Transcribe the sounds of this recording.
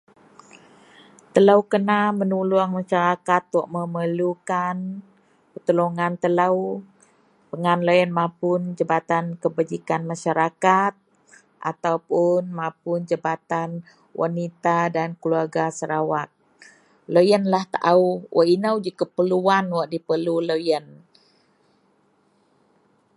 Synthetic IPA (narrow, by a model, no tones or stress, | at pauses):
t̪əlawkənamənuluaŋmaʃaɾakat̪̚wɔʔməməlukan | pət̪əloŋant̪əlaw | pəŋanləjənmapʊnd͡ʒabat̪ankəbad͡ʒikanmaʃaɾakat̪̚ | ʔa̰t̪awpʊnmãpund͡ʒəbat̪an | wʔa̰nit̪adankluarɡasəɾawat̪̚ | lojənlaht̪aʔauwʔa̰ʔinawd͡ʒikəpəluanwɔʔdipəluləjən